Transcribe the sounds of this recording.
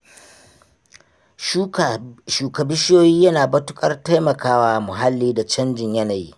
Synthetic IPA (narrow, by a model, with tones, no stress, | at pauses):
ʃuː˨kɐ˨bɪ˦ʃjoː˦jiː˦jɐ˦naː˨bɐ˦tʊ˦kʼɐ˦rta˦jmɐ˨kaː˦waː˦mʊ˨ɦa˦lːiː˦da˨t͡ʃɐ˦nd͡ʒɪ˨ɲjɐ˦na˨jḭ˦